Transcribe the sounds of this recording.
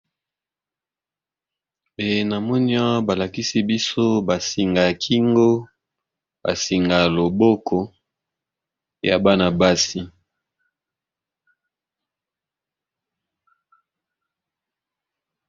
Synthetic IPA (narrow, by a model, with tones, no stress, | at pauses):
be˨na˨mɔ˦ni˦a˦ba˨la˨ki˦si˦bi˦so˦ba˨si˨ŋɡa˨kʰi˦ŋɡo˦ | ba̰˨si˨ŋɡa˨lo˨bo˦kʰɔ˨ | ja˨ba˦na˨ba˦si˦